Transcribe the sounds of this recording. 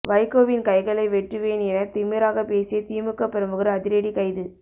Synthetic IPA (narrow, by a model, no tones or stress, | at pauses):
ʋɐɪkoːʋɪnkɐɪɣɐɭɐɪʋɛʈrɯʋeːnɛnɐt̪ɪmɪɾaːɣɐpeːsɪjɐt̪iːmɯkːɐpːɛɾɐmbɯɣɯɾɐɐðɪɾɐɽikɐɪðɯ